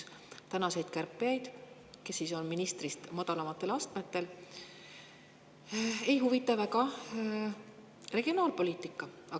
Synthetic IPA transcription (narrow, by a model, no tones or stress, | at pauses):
t̪ænɑse̞jd̪̥kærpːˑijɑjd̪̥ | ke̞sːiso̞nminist̪rist̪mɑd̪̥ɑlɑmɑt̪ːˑe̞lɑst̪met̪ːe̞l | e̞jɦuvit̪ːˑɑvækɑ | re̞ɡ̥io̞nɑːlpo̞lʲiːt̪ːˑikːˑɑɑ